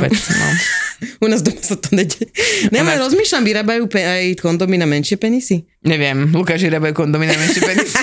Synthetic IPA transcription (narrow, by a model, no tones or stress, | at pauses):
ɛ̰t͡sna̰munaːzd̪ɔmasat̪ɔnɛɟɛnɛlɛɛɾɔzmiːʃlamʋiɾaːbajuːpɛajkɔnd̪ɔminamɛnʃɪɛpɛɲisi | ɲɛʋɪɛmlukaːʃiʋiɾaːbajuːkɔnd̪ɔminamɛnʃɪɛpɛɲisi